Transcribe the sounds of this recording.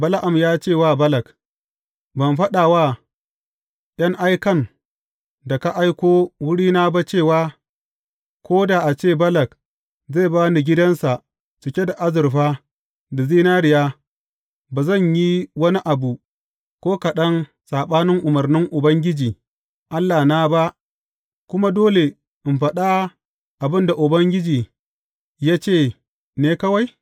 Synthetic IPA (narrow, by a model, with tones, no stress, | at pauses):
bɐ˦la˦ʔa˨mjaː˦t͡ʃeː˦˨waː˦˨bɐ˦lɐ˨k | bɐ˨mɸɐ˦ɗaː˨waː˦˨ | j̰ɐ˦ŋʔa˦jkɐ˦˨n | da˨ka˦ʔa˦jkʷoː˦wʊ˦ɽiː˦naː˦ba˦t͡ʃeː˦˨waː˦ | kʷoː˦da˨ʔa˨t͡ʃeː˦˨bɐ˦lɐ˨k̚ | zeː˦˨baː˦ni˨ɡʲɪ˦dɐ˦nsa˨ | t͡ʃɪ˨kʲe˦da˨ʔa˦zɪ˨ɾɸaː˦ | da˨zi˦na˦ɽɪ˨jaː˦ | ba˨zɐ˦˨ɲji˦wɐ˦ni˦ʔa˨bu˨ | kʷoː˦kɐ˨ɗɐ˦n | saː˨ɓaː˦nɪ˦ŋʔʊ˨mɐ˨rnɪ˦ŋʔʊ˨bɐ˦ŋɡʲɪ˦d͡ʒiː˨ | ʔa˦lːaː˨na˦ba˦ʔ | kʷʊ˦ma˦doː˦le˨ | ʔɪ˨mɸɐ˨ɗa˦ | ʔa˨bɪ˦nda˨ʔʊ˨bɐ˦ŋɡʲɪ˦d͡ʒiː˨ | jaː˦t͡ʃeː˦˨ | neː˦kɐ˦wa˦j